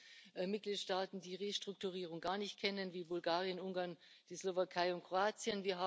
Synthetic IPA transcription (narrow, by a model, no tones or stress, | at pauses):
ʔmɪt̚ɡ̥liːtʃtaːtn̩diːʁeːʃtʁ̥ʊk̚tuʁ̞iːʁ̞ʊŋɡaːɐnɪçt̚kʰɛnənviːbʊlɡaːʁjənʊŋɡaɐn | d̥iːslovakʰaɪʊntkʁ̥oaːt͡sjənviːɐɦaː